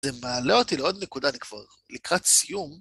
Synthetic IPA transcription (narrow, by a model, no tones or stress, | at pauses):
zemaːleo̞t̪ileo̞d̪nekud̪anikv̥aʁ | likʁat̪sijum